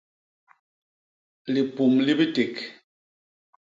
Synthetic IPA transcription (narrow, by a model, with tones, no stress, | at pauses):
li˨pu˨mli˦bi˦te˨k